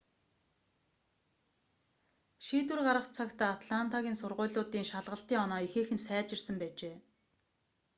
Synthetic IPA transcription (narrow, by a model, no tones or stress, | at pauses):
ʃiːt̪wɘ̆rɢaɾə̆χt͡sʰakt̪ʰaːat̪ɮant̪ʰaɣʲiːnsʊrʁʊ̟ːɮʊːt̪iːŋʃaɮʁə̆ɬt̪iːŋɔnɔːixeːxɘ̆nsæːt͡ɕɪ̆rsə̆mpæːt͡ɕeː